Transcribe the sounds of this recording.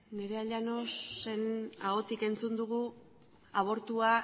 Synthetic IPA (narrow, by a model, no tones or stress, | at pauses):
ne̞ɾe̞aʎano̞se̞naɣ̞o̞t̪ike̞nt͡sund̪uɣ̞u | aβ̞o̞ɾt̪ua